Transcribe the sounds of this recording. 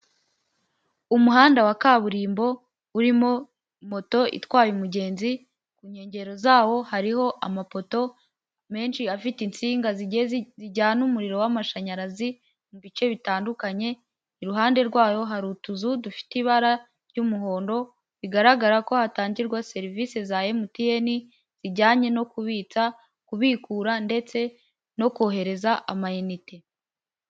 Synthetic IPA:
umuɦaːndawakaβuɾiːmbo̞ | uɾimo̞ | mo̞to̞ḭtwaːjumuɟe̞ːnzi | kuːɲe̞ːɲɟe̞ɾo̞zaːwo̞haɾiho̞ʔamapo̞to̞ | me̞ːnʃiafitint͡siːŋɡaziziɟaːnumuɾiɾo̞wamaʃaɲaɾazi | muβit͡ʃe̞βitaːndukaɲe̞ | iɾuɦaːnde̞ɾɡwaːjo̞ɦaɾutuzudufi̥tiβaɾa | ɾɟumuɦo̞ːndo̞ | βiɡaɾaɡaɾako̞hataːɲɟiɾɡwase̞ɾiviːse̞zaːjemutieni | z̥iɟaːɲe̞no̞kuβiːt͡sa | kuβiːkuːɾande̞t͡se̞ | no̞koɦe̞ɾe̞zaʔamajenite

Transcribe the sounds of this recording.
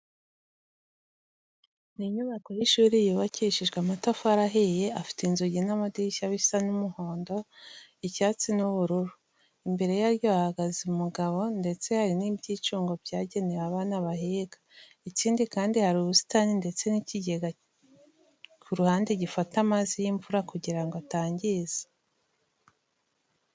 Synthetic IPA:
niɲuβako̞hiʃuːɾijuβaciʃiʒɡweamatafuaɾaɦeje̞ʔafi̥teinzuɟinamadiʃaβisanumuho̞ːndo̞icaːt͡sinuβuɾuɾu | imbe̞ɾe̞jaɾjo̞ahaɡaziumuɡaβo̞nde̞t͡se̞haɾinibɟiːt͡ʃuːŋɡo̞bɟaːɟe̞neɾaβanaβahiːɡḁ | iciːndikaːndihaɾuβusi̥taninde̞t͡se̞niciɟe̞ɡa | kʰuɾuhaːndeɟifatamazijiɱvuɾakuɟiɾaŋɡoataːɲɟize̥

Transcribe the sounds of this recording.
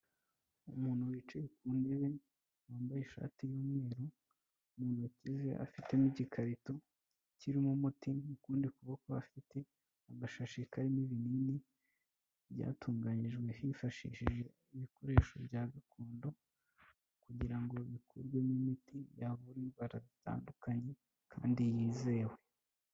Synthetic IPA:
umuːnhuwiːt͡ʃejekuːne̞βe̞ | waːmbajeʃa̰tijoːmŋe̞ːɾo | muːn̥hucize̞̰ʔa̰fite̞miɟikʰaɾito | ciɾimumutinukuːndikuβakoβa̰fite̞ | aɡaʃaʃikaɾiniβinini | βja̰ːtʰuːŋɡaɲiʒɡwe̞hifaʃḭːʃiʒe̞ | iβiko̞ɾe̞ːʃo̞̰bɟaːɡakʰoːndo̞ | kuɟiɾaŋɡo̞βikʰṵɾɡwe̞nimitʰijaβuɾiβaɾazita̰ːndukaɲe̞ | kʰa̰ːndijiːze̞ːwe

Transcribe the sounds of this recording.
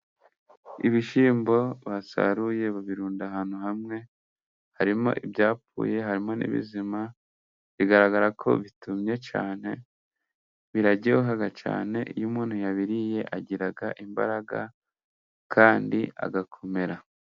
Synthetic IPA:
iβiʃiːmbo̞βasa̰ɾuje̞βaβiɾuːndaɦaːnuhamŋe̞ | haɾimo̞̰ʔibjaːpṵːje̞ɦaɾimo̞nḭβḭzima | βiɡaɾaɡaɾakʰo̞̰βitumɲe̞t͡ʃa̰ːne̞ | βiɾaɟoɦaɡat͡ʃa̰ːne̞ʔḭjumuːnhujaβiɾije̞ʔaɟiɾaɡaʔimba̰ɾaɡa | kʰaːndia̰ɡakʰo̞me̞ɾa

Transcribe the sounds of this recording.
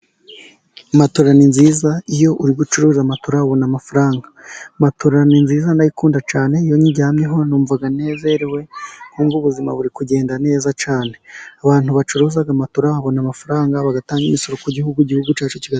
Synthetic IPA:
matoɾaninziːzaijo̞ʔuɾiɡut͡ʃuɾuːzamatoɾaβonamafaɾaːŋɡamatʰoɾaninziːzanajikuːndat͡ʃaːne̞ijo̞ɲiɟaːmɲeɦo̞nuːɱvaɡane̞ːze̞ɾewe̞ŋ̥uːɱvuβuzima̰βuɾikuɟe̞ːndane̞ːzat͡ʃaːne̞aβaːn̥huβat͡ʃuɾuːzaɡamatoɾaaβo̞namafaɾaːŋɡaβaɡataːŋɡimiso̞ɾo̞kuɟihuɡuɟihuɡut͡ʃaːt͡ʃociɡa

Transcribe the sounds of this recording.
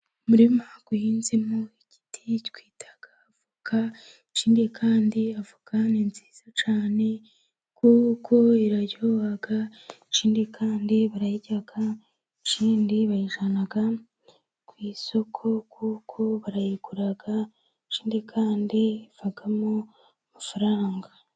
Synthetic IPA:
muɾimaɡ̥uhiːnzimoiɟ̥i̥tʰitwiːtʰḁɡ̥aːvukʰa | t͡ʃiːndikʰaːndiavukaninzi̥ːz̥ot͡ʃaːne̞ | kuːkʰo̞iɾaɟoɣaɡat͡ʃiːndikʰaːndiβaɾajiɟaɡa | t͡ʃiːndiβajiʒanaɡa | kwiːso̞kʰo̞kuːkʰo̞βaɾajiɡuɾaɡa | t͡ʃiːndikʰaːndiv̥aɡamo | mafaɾaːŋɡa

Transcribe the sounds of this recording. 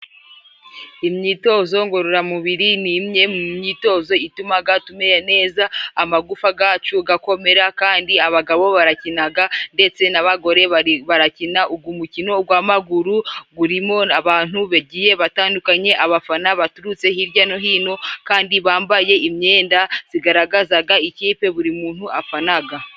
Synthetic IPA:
imɲiːto̞ːzo̞ŋɡo̞ɾoɾamuβiɾinimɲe̞mmɲiːto̞ːzo̞itumaɡatume̞jene̞ːzaːmaɡufaɡaːt͡ʃuɡako̞me̞ɾakaːndiaβaɡaβo̞βaɾacinaɡande̞t͡se̞naβaɡo̞ɾe̞βaβaɾacinaubɡwumucino̞ɡwamaɡuɾuɡuɾimo̞aβaːn̥huβeɟije̞βataːndukaɲe̞ʔaβafanaβatuɾut͡se̞hiɾɟano̞ɦiːno̞kaːndiβaːmbaje̞ʔimɲe̞ːndaz̥iɡaɾaɡazaɡaiciːpe̞βuɾimuːn̥huafanaɡa

